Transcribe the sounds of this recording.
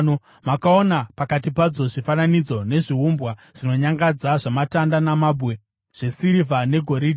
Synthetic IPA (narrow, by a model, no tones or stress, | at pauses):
o | makao̞napakatipad͡zo̞ʐifananid͡zo̞ne̞ʐiɦumbwaʐ̥ino̞ɲaŋɡad͡zaʐamatandanamabwe̞ | ʐ̥e̞siɾivane̞ɡʱo̞ɾidi